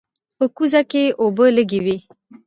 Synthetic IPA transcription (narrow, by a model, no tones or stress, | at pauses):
pəkuzakeobələɡiwi